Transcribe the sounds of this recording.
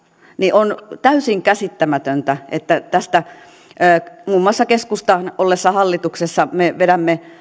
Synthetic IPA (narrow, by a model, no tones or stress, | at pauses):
niʔont̪æysiŋkæsit̪ːæmæt̪ønt̪æʔet̪ːæt̪æst̪æː | muːmːˑɑsːɑkeskust̪ɑnʔolːesːɑhɑlːit̪uksesːɑmeʋeɾæmːe